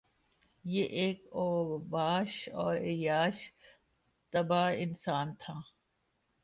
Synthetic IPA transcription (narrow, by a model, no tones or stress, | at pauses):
jeʔeːkoːbaːʃɔːɾeːjaːʃ | t̪ɐbaːɪnsaːnt̪ʰaː